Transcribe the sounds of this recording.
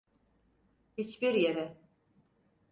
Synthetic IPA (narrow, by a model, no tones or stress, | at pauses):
hit͡ʃbiɾjeɾɛ